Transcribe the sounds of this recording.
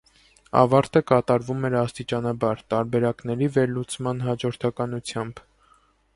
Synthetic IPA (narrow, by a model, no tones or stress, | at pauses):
ɑ̰vɑɾt̪əkɑt̪ɑɾvumɛɾɑst̪it͡ʃɑnɑbɑɾt̪ɑɾbɛɾɑknɛɾivɛɾlut͡smɑnɦɑd͡ʒɔɾt̪ʰɑkɑnut͡sʰjɑmb